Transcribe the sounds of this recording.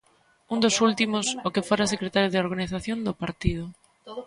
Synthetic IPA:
und̪osult̪imosokefoɾasekɾet̪aɾjoðeoɾɣaniθaθjõnd̪opaɾt̪ið̞ʊ

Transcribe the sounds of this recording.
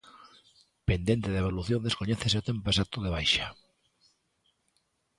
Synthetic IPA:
pend̪jent̪eðeβoluθjond̪eskoɲeθes̬eot̪empesat̪oðeβ̞ajʃa

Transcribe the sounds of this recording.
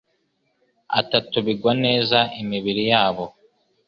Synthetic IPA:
a̰tatuβiɡwane̞ːzaʔimiβiɾijaːβo̞

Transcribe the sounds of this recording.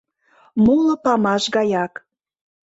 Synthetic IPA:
mulŏpɑmɑʃɣɑjɑk

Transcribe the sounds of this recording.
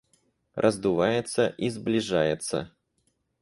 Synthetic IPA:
rʔɐzd̪uvajɛt̪səʔizblʲiʐajɛt̪sə̰

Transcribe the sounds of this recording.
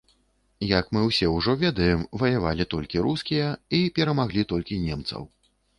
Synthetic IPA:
jɐkmɨwsʲɛwʐɔvʲɛd̪ɐjɛmvɐjava̰lʲit̪ɔlʲkʲiɾuskʲijɐipʲɛɾɐmaɣlʲit̪ɔlʲkʲinʲɛmt̪sɐ̰w

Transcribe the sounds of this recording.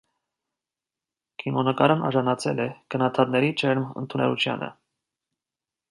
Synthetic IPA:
kʰimɔnəkɑɾnɑ̰ʒɑnɑt͡sʰɛlɛkənɑt̪ʰɑt̪nɛɾit͡ʃʰɛɾmə̰nt̪ʰunɛlut͡ʃʰjɑ̰nʔə̰

